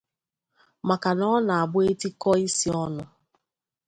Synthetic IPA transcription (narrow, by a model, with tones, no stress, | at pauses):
ma˨ka˨nɔ˦na˨a˨bʊ˦e˦ti˦kɔ˦i˦si˦ɔ˦nʊ˦